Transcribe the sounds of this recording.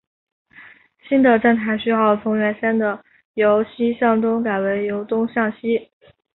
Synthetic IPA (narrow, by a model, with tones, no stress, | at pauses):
ɕi˥nd̪ə˨ʈ͡ʂa˥˩nt̪ʰa˧˥ɪɕy˥jɑ˥˩ʊt͡sʰʊ˧˥ŋɥɛ˧˥nʂɛ˥nd̪ə˨ | jo˧˥ʊɕi˥ɕjɑ˥˩ŋt̪ʊ˥ŋka˨˩ɪwe˧˥ɪjo˧˥ʊt̪ʊ˥ŋɕjɑ˥˩ŋɕi˥